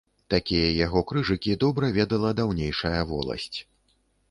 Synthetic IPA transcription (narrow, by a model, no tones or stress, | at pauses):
t̪akʲijɐjaɣɔkɾɨʐɨkʲid̪ɔbɾɐvʲɛd̪ɐlˠɐd̪awnʲejʂɐjɐvɔ̰lˠɐ̰sʲt͡sʲ